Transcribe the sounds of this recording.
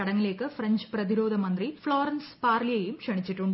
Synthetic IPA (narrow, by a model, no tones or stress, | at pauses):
ɐɽɐŋːileːkːɨfɾɐɲd͡ʑpɾɐðiɾoːd̪ʱɐmɐnd̪rifɭoːɾɐnspaːɾlijɐjumkʂɐɳit͡ɕːiʈːuɳɖ